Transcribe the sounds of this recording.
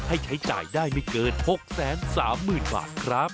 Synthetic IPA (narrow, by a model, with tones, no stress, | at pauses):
ha˥˩jt͡ɕʰa˦˥jt͡ɕaː˨˩jdaː˥˩jma˥˩jkɤː˧nho˨˩k̚sɛː˨˩˦nsaː˩˦mːɯː˨˩nba̰ː˨˩t̪̚kʰɾa˦˥p̚